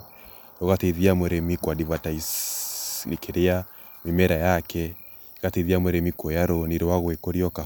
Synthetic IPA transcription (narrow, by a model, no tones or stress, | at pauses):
ɾoɣatɛiðiamwɛɾɛmikwadivatais | ɾikʰeɾea | memɛɾajakɛ | ɣateiðiamwɛɾɛmikɔjaɾɔniɾowaɣwekɔɾiɔka